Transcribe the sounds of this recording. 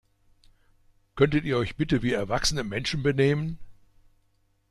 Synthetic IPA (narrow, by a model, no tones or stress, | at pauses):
kʰœntətiːɐɔʏçb̥ɪtəviːɛɐvaksənəmɛnʃn̩bəneːmən